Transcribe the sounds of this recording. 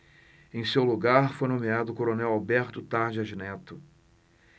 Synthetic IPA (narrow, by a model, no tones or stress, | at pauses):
ẽj̃sewluɡaɾfojnõmead̪ʊkoɾonɛwawbɛɾt̪ʊt̪aɾd͡ʒɪaʒinɛt̪ʊ